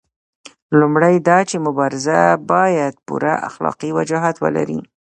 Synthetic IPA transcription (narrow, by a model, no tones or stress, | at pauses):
lumɽajd̪ɑt͡ʃemʊbɑɾɪzabɑjad̪̚pṵɾaʔa̰xlɑ̰qiwad͡ʒɑɦat̪wə̰la̰ɾi